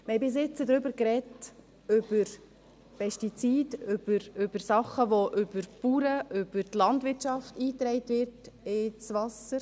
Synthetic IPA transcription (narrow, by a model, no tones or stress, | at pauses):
mhɛbɪs̬ɪt͡sədɾʏbəɾkɾɛt | ʏb̥əɾ | pʰɛʃtit͡siːdʏb̥əɾʏbəɾsɑχəʋoʔʏbəɾpuːɾəʔʏb̥əɾtlɑntʋɪtʃɑftiːt̪ɾɛɪtʋɪɾtɪt͡sʋɑsəɾ